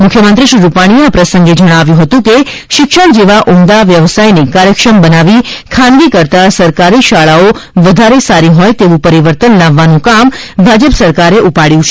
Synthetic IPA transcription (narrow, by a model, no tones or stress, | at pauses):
mʊkʰjəmənt̪ɾiʃɾiɾupaɽ̃ieapɾəsə̃ŋɡed͡ʒəɽ̃aʋjũɦət̪ũke | ʃɪkʃəɽd͡ʒeʋaʔumd̪aʋjəʋsajnekaɾjəkʃɾəmbənaʋikʰãnɡikəɾt̪asəɾkaɾiʃaɭaoʋəd̪ʱaɾesaɾiɦɔjt̪eʋũpəɾiʋəɾt̪ənlaʋːanũkambʱad͡ʒəpsəɾkaɾeʔupaɽjũt͡ʃʰe̥